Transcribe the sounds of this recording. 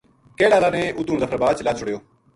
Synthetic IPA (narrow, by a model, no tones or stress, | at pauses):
keːɽaːlaːnẽːʔʊt̪uːnzəpʰəɾbaːt͡ʃlaːt͡ʃʰʊɽjoː